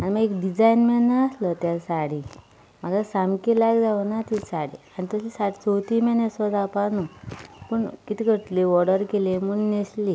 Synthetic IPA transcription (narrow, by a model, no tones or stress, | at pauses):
animəɡekɖid͡zainmenːaəslət̪jalsaɽi | maɡasamkilaɡd͡zaʋənat̪isaɽeanit̪əslisaɽt͡sowt̪imenesɔd̪apanupəɳkit̪ikəɾt̪leʋɔɽəɾkelemuɳnesli